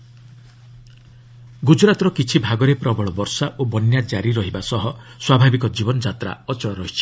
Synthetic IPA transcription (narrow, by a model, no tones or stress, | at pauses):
ɡud͡ʒɾat̪ɔɾɔkit͡ʃʰibʱaɡɔɾepɾɔbɔɭɔbɔɾsaʔobɔnjad͡ʒaɾiɾɔɦibasɔɦɔswabʱabikɔd͡ʒibɔnɔd͡ʒat̪ɾa̰ɔt͡ʃɔɽɔɾɔɦit͡ʃʰi̥